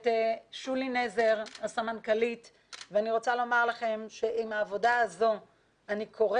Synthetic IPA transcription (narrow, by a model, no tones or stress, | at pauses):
teʃulineze̞ʁhasamankalit | veaniʁo̞t͡salo̞maʁlaχe̞mʃe̞ʔimaːvo̞daazo̞ | anikʰo̞ʁ